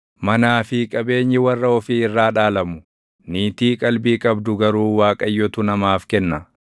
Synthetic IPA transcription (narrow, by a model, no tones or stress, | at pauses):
mɐnaːfɪkʼɐbe̞ːɲːɪwɐrːɐɔfiɪrːaːᶑaːlɐmʊ̥ | niːt̪iːkʼɐlbiːkʼɐbd̪ʊɡɐɾuːwaːkʼɐjːɔt̪ʊnɐmaːfkɛnːɐ